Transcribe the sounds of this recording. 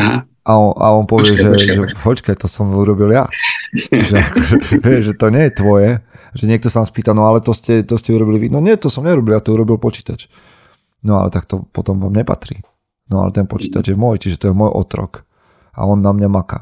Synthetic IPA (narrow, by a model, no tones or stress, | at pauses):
ɦa | ʔaɔna̰ɔnpɔʋɪɛʒɛʒɛɦɔt͡ʃkajt̪ɔsɔmuɾɔbilja̰ | ʒɛakɔʒɛɛʋɪɛʒʒɛt̪ɔɲɛjɛt̪ʋɔjɛʒɛɲɪɛk̚t̪ɔsanaspiːt̪anɔalɛt̪ɔscɛt̪ɔscɛuɾɔbiliʋinɔɲɪɛt̪ɔsɔmɲɛuɾɔbiljat̪ɔuɾɔbilpɔt͡ʃi̥ːt̪at͡ʃ | nɔa̰lɛ̰t̪ak̚t̪ɔpɔt̪ɔmʋaːmɲɛpa̰t̪ɾḭ | nɔa̰lɛ̰t̪ɛnpɔt͡ʃiːt̪ad͡ʒjɛmɔjt͡ʃiʒɛt̪ɔjɛmɔjʔɔ̰t̪ɾɔ̰k | a̰ɔnːamɲamaka̰ː